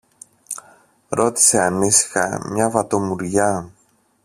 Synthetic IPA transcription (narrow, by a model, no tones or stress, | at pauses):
ɾo̞t̪i̥se̞ɐnisi̥xɐ̰mɲɐvɐt̪o̞muɾʝɐ